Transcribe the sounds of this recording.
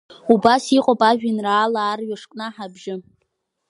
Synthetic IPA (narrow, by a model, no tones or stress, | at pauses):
ubasiqʼopʼaʒᶣinraːlaːrɥaʂkʼnaħabʒɪ